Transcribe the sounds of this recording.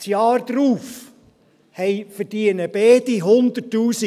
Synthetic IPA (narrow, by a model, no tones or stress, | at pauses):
sjɑːrd̪̥ɾuːf | hɛɪfəɾdiənəb̥eːd̥iɦʊnd̪ətuːsi